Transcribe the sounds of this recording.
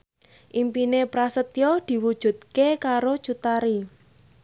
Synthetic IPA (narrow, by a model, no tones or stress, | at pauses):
ʔimpinepɾasət̪jod̪̥i̤wud̥ʒ̥ṳt̪̚kekaɾo̥t͡ʃut̪aɾi